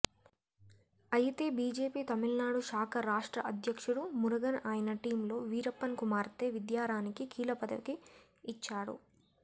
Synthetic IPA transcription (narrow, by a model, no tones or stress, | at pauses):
ɐjit̪e̞ːbiːd͡ʒe̞ːpiːt̪ɐmilnaːɽuʃaːkʰɐɾaːʂʈɾɐʔɐd̪ʱjɐkʂuɽumuɾɐɡɐnaːjɐnɐʈiːmlo̞ːʋiːɾɐpːɐnkumaːɾt̪e̞ːʋid̪jaːɾaːnikikiːlɐpɐd̪ɐ̰ʋikiː | t͡ʃːaːɽṵ